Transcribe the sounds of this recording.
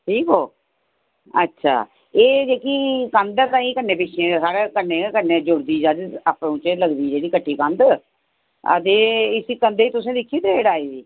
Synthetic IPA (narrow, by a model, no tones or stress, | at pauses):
ʈʰiːkoː | ətːʃʰa̰ː | eːd͡ʒeːkiːkə̃nd̪ət̪ãːĩːkənːeːpɪt͡ʃʰẽːsaːɽeːkəneːkəneːd͡ʒʊɽd̪iːd͡ʒaːd͡ʒaːpɽõːt͡ʃələɡd̪iːd͡ʒeːɽiːkəʈʰːiːkə̃nd̪ | ə̰d̪eːɪsiːkənd̪eːit̪ʊsẽːd̪ɪkʰːiːd̪eeːɽaːiːdiː